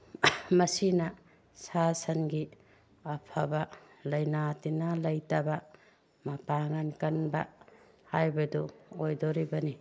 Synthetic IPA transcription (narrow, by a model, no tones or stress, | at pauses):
mɐsinɐ | sasɐnɡi | ɐpʰabɐ | lɐjnatinɐlɐjtaba | mɐpaŋankɐnbɐ̰ | hajbɐduojdoɾibɐni